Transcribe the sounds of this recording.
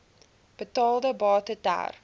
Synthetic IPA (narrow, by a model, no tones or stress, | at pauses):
b̥ətɑːlˠdəbɑːtəta̰r